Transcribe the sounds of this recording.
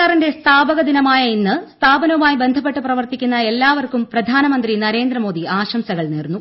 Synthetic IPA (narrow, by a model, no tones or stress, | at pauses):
aːrinde̞st̪ʰaːbɐɣɐd̪inɐmaːjɐinːɨst̪ʰaːbɐnɐumaːjibe̞nd̪ʱɐp̬ːe̞ʈːɨprɐʋɐrt̪ikʲːunːɐe̞lːaːʋɐrkumprɐd̪ʱaːnɐmɐnd̪rinɐɾe̞ːnd̪rɐmo̞ːd̪ʱiaːɕɐmsɐɣɐɭneːrunːu